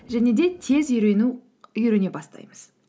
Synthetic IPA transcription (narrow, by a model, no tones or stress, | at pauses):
ʒæne̞d̪e̞t̪ʰe̞zʏjɾenu | ʏjɾɪne̞bɑst̪ɑ̰jməz̥